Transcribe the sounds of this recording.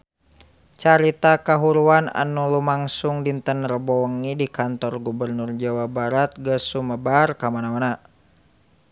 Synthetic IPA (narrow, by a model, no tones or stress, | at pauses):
t͡ʃaɾit̪akaɦuɾuana̰nulumaŋsuŋdint̪ənrəbɔŋidikant̪ɔrɡubərnurd͡ʒawabaɾat̪̚ɡəsuməbarkamanamana